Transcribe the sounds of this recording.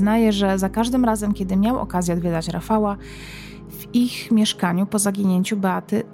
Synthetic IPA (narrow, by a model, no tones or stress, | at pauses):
najɛʐɛzakaʐd̪ɘmɾazɛmkʲɛd̪ɘmʲjawɔ̰kazʲjɛɔd̪vʲɛd̪at͡ɕɾafawa | vixmʲjɛʂkaɲupɔzaɡʲiɲeɲt͡ɕubɛat̪ɘ